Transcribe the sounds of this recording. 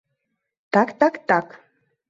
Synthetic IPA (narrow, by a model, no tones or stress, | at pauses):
t̪akt̪akt̪ak